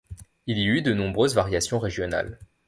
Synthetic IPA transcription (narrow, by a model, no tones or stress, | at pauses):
iliyd̪ənɔ̃bʁøzvaʁjasjɔ̃ʁeʒjɔna̰l